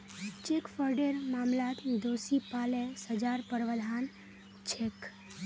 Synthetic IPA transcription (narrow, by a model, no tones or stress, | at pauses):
t͡ʃekfəɾɖeɾmaːmlat̪d̪osipaːlesəd͡ʒaɾpəɾʋəd̪ʱan | t͡ʃʰek